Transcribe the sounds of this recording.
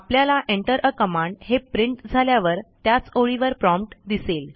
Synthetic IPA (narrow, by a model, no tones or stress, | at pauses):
apljalaʔeɳʈəɾʔəkəmãɳɖhepɾiɳʈd͡zʱaljaʋəɾt̪jat͡soɭiʋəɾpɾɔmpʈd̪isel